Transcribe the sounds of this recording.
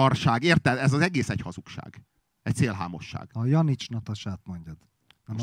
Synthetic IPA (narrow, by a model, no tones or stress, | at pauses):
ɒrʃaːɡeːrt̪ɛd̪ɛzɒzɛɡeːsɛchɒzukʃa̰ːɡ | ɛc̚t̪seːlɦaːmo̞ʃːa̰ːɡ̥ɒjɒnit͡ʃnɒt̪ɒʃaːt̪mo̞ɲɟɒd̪̥ | nɛm